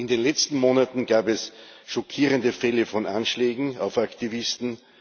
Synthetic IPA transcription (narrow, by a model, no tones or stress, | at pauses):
ʔɪndeːnlɛt͡stn̩moːnatn̩ɡ̥aːbɛsʃɔkʰiːʁəndəfɛləfɔnʔanʃlɛːɡŋ̩aʊfaktivɪstn̩